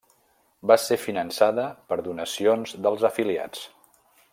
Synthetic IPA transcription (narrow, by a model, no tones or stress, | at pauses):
basefinənsaðəpəɾðunəsionzðəlˠzəfilia̰t͡s